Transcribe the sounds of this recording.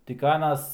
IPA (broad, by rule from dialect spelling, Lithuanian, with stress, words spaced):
tʲɪk ˈɑːnɐs